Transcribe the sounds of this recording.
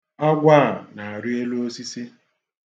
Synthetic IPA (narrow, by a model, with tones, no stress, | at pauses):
a˦ɡʷaː˦˨na˨a˨ɾi˦e˦lu˦o˦si˦si˦